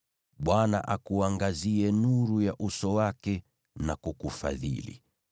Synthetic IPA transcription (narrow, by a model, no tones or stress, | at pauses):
ɓwana̰ʔakuaŋɡaziɛnuɾujaʔusɔwakɛ | nakukufa̰ðḭlḭ